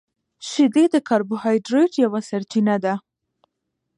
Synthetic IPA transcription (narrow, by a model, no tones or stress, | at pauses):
ʃid̪ed̪əkɑɾbʊhɑjɖɾojʈjawasaɾt͡ʃinad̪a